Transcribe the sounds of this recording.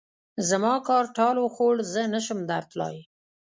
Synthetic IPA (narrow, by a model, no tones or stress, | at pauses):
zamɑkɑɾʈɑloxoɽzənəʃəmd̪aɾt̪lɑ̰j